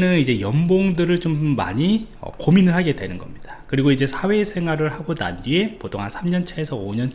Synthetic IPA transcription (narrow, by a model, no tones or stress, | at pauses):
nɯnid͡ʑe̞jʌmboŋdɯɾɯɭt͡ɕomːa̰ɲiʌ̰kominɯɭhaɡe̞dwe̞nɯnɡʌmɲid̥akɯɾiɡoid͡ʑe̞sʰawe̞sʰe̞ŋɦwaɾɯɭhaɡona̰nɡie̞potʰoŋɦansʰamɲʌnt͡ɕʰaesʰʌoɲʌnʰ